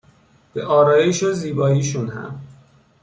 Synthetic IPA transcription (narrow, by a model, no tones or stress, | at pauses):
b̥eʔɒːɾɒːjeʃoziːbɒːjiːʃunhæ̰m